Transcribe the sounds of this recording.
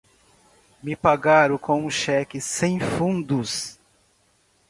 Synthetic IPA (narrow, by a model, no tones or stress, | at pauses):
mɪpaɡaɾʊkõw̃ũʃɛkɪsẽj̃fũnd̪ʊs